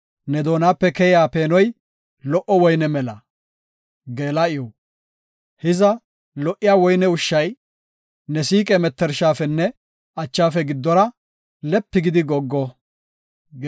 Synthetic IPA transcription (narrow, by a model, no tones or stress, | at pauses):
nɛd̪o̞ːnaːpːɛkɛjɪjaːpe̞ːnɔj | lɔʔɔwɔjnɛmɛlɐ | ɡe̞ːlɐɪjɔ | hɪzɐ | lɔʔɪjaːwɔjnɛʊʃːɐj | nɛsiːkʼɛmɛt̪ːɛɾʃaːfɛnːɛ | ɐt͡ʃːaːfɛɡɪd̪ːɔɾɐ | lɛpːɪɡɪd̪ɪɡɔɡːɔ